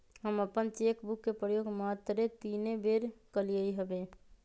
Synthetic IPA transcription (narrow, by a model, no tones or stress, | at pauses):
ɦəməpənt͡ʃeːkbʊkːepɾəjoːɡmaːt̪ɾet̪iːnẽbeːɾkəlijəiɦəbẽː